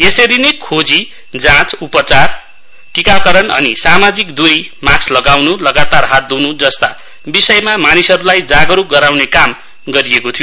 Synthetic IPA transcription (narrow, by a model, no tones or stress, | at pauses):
jesʌɾinekʰod͡zi | d͡zãt͡supʌt͡sar | ʈikakʌɾʌnʌ̰nisamad͡zikd̪uɾimakslʌɡawnulʌɡat̪arɦat̪̚d̪unud͡zʌst̪a | bisʌjmamanisʌɾulajd͡zaɡʌɾuɡʌɾawnekam | ɡʌɾijekot̪ʰijo